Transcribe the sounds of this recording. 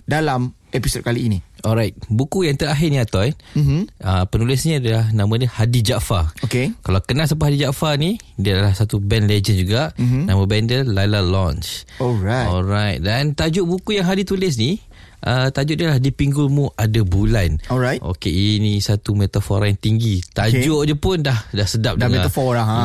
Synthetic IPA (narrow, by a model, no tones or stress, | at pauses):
dalam | ɛpisod̚kaliːniɔlɾajt̪̚bukujaŋt̪əɾaɦɪrniat̪aɛməpənulɪsniadalanãmãnəhadid͡ʒaʔfaokekalawkənãsapɦadid͡ʒaʔfani | diadalahsat̪ubɛnled͡ʒənd͡ʒuɡaʔnãmabɛndəlalalɔ̃nt͡ʃoɾaɔlɾajt̪̚dant̪ad͡ʒʊʔbukujaŋɦadit̪ulɪs̬ni | ʔət̪ad͡ʒʊʔdiəlahdipiŋɡʊlmũʔadabulanɔajtʔo̰keinisat̪umet̪afɔɾajaŋt̪iŋɡit̪ad͡ʒʊʔdəpʊndahdahsədap̚daŋaafɔlaã